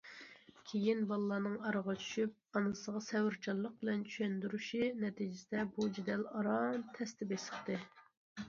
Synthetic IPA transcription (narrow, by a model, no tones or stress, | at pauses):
kʲʰejinbɑlˠlˠːɑːnɨŋɑɾəʁɑt͡ʃʰy̥ʃyp̚ɑnɨsəʁɑsɛwɪɾt͡ʃʰɑllˠːəq̚bɪlɛnt͡ʃʰy̥ʃɛnd̪yɾyʃinɛt̪ʰid͡ʒɪsɪd̪ɛbud͡ʒid̪ɛlɑɾɑmt̪ʰɛst̪ʰɪbesəχt̪ɨ